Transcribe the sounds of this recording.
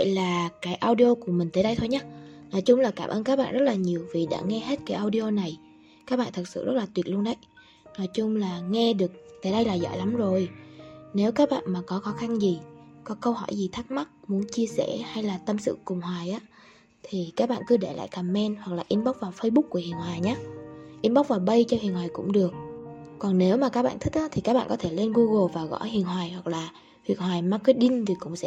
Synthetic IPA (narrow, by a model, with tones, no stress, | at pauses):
və̰˧˨jlaː˨˩kaː˨˦jʔaː˧wɗi˧o˧ku˧˩əmï˨˩ŋ̟t̪eː˨˦ɗə˧jt̪ʰo˧jɲaː˨˦nɔ˨˩jt͡ɕʊ˧ŋ͡mlaː˨˩kaː˧˩mʔəː˧nkaː˦˥k̚ɓa̰ː˧˨nzə˦˥t̚laː˨˩ɲi˨˩əwvi˨˩ɗa̰ː˧˥ŋɛ˧he˦˥t̚kaː˨˦jʔaː˧wɗi˧ʔo˧na˨˩j | kaː˦˥k̚ɓa̰ː˧˨nt̪ʰɨ˨˩t̚sɨ̰˧˨zə˦˥t̚laː˨˩wət̚lu˧ənɗə˨˦j | nɔ˨˩jt͡ɕʊ˧ŋ͡mlaː˨˩ŋɛ˧ɗɨ˨˩ək̚t̪eː˨˩˦ɗə˧jlaː˨˩zɔ̰ː˧˨jla˨˦mzo˨˩jne˨˦wkaː˦˥k̚ɓa̰ː˧˨nmaː˨˩kɔ˨˦xɔ˨˦xa˧nzi˨˩kɔ˨˦kə˧whɔ̰˧˩jzi˨˩t̪ʰaː˦˥k̚ma˦˥t̚mu˨˦ənt͡ɕi˧əsɛ̰˧˥˩ha˧jlaː˨˩t̪ə˧msɨ̰˧˨kʊ˨˩ŋ͡mɦwaː˨˩jʔaː˨˦ | t̪ʰi˨˩kaː˦˥k̚ɓa̰ː˧˨nkɨ˨˦ɗe˧˩la̰ː˧˨jkaː˨˩mːɛ˧nhwa˨˩k̚laː˨˩ʔi˧nɓɔ˦˥k͡p̚vaː˨˩wfə˧jɓʊ˦˥k̚ku˧˩əhḭ˨˩ənhwaː˨˩jɲaː˨˦ʔi˧nɓa˦˥k͡p̚vaː˨˩wɓə˧jt͡ɕɔ˧hḭ˨˩ənɦwaː˨˩jkʊ̰˧˥ŋ͡mɗɨ˨˩ək̚ːɔ˨˩nne˨˦wmaː˨˩kaː˦˥k̚ɓa̰ː˧˨t̪ï˦˥k̚ʔaː˨˦t̪ʰi˨˩a˦˥ɓa̰ː˧˨kɔ˨˦t̪ʰe˧˩le˧nɣu˧ɣo˨˩vaː˨˩ɣɔ̰˧˥jhḭ˨˩ənhwaː˨˩jhwa˨˩k̚laː˨˩ | t̪wi˨˩ən̚hwaː˨˩jmaː˨˦˥k̚kəː˨˦jɗï˧ŋ̟vi˨˩kʊ̰˧˥ŋ͡msɛ̰˧